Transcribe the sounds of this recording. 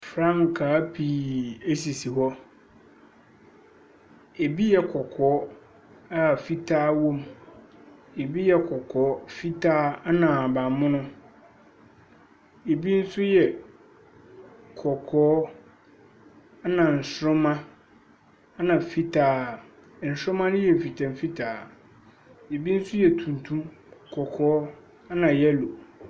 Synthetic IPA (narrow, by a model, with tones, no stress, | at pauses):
fɾã˦m˨kʰaː˨˦pʰi˨e˦s̬i˨si˨ɦɔ˦ | e˨bi˦jɛ˨kʰɔ˨kʰɔː˨˦ | a˦˨fi˦tʰaː˦wõ˦m | e˨bi˦jɛ˦kʰɔ˨kʰɔː˨˦fi˦tʰaː˦a˦nã˨ba˨mʊ̃˦nʊ̃˦ | e˨bi˦n̩˦sʊ˦jɛ˨ | kʰɔ˨kʰɔː˦ | nã˨n̩˨sɾʊ̃˦mã˦ | nã˨fi˦tʰaː˦˨ | n̩˨sɾʊ̃˦mã˦nʊ̃˦jɛ˨m̩˨fi˨tʰɛ̃˨m˨fi˦tʰaː˨ | je˨bi˦n̩˦sʊ˦jɛ˨tʰũ˨n˨tʰũ˦kʰɔ˨kʰɔː˦ | a˦nã˨jɛ˦lo˨